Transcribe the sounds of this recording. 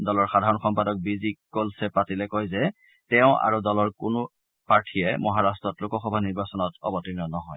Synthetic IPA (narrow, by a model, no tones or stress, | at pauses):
dɔlɔɹxadʱaɹɔnxɔmpadɔk̚bizikkːolsɛpatilɛkojzɛ | tɛʊ̃ʔa̰ɹudɔlɔɹkʊnʊ | paɹtʰijɛmɔɦaɹastɹɔtlʊkɔxɔbʱaniɹbasɔnɔtɔ̰bɔtinɔnɔɦɔj